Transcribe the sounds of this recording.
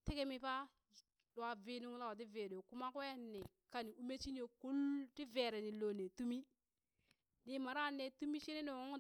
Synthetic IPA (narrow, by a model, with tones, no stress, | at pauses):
ti˦ke˦mi˦pa˦ | ɗo˨a˨vi˦nu˦ŋ˦la˦wa˨t̬i˦ve˨do˨ku˦ma˦kwe˦ne˨ | ka˨ni˨u˦me˦t͡ʃi˦ni˦jo˨ku˦lti˦ve˨ɾe˨ni˨lo˨ne˨tu˦mi˦ | ni˦ma˨ɾa˦˨ne˨tu˦mi˦ʃi˦ne˦no˨ŋo˦ŋ˦